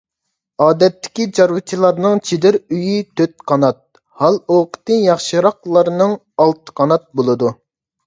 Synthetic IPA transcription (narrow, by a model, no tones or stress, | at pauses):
ɑːd̪ɛt̪ʰːɪ̥kʲit͡ʃɑɾwɨt͡ʃʰilˠɑɾnɨŋt͡ʃʰid̪ɪɾyjit̪ʰøt̪̚qʰɑnɑt̪̚ | hɑlˠoqʰə̥t̪ɨjɑχʃɨɾɑqlˠɑɾnɨŋ | ɑlˠt̪ə̥qʰɑnɑt̪̚bolˠɨd̪u